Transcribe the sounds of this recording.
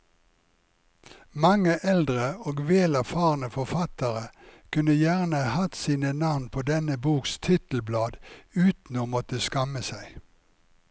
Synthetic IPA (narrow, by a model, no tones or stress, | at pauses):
mɑŋəʔɛld̪ʁəoːɡʋeːlæʁfɑːʁnəfɔfɑt̪əʁəkʰʉnəjæːʁnəhɑt̪siːnənɑʋnpʰoːd̪ɛnəbuːkst̪ʰɪt̪l̩blɑːd̪ʉːt̪n̩oːmɔt̪əskɑməsæɪ